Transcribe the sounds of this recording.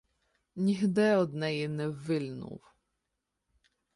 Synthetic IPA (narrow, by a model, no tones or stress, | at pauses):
nʲiɦd̪ɪɔd̪nɛjinɛʋɪlʲnṵw